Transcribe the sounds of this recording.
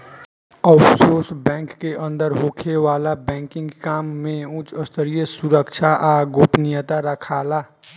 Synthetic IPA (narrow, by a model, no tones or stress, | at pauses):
əpsoːsbɛ̃ːŋkːeʔə̃nd̪əɾɦoːkʰeʋaːlabɛ̃ːŋkɪ̃ŋɡkaːmːẽũt͡ʃəst̪əɾijəsuɾəkt͡ʃʰaʔaɡoːpnijət̪aɾəkʰaːla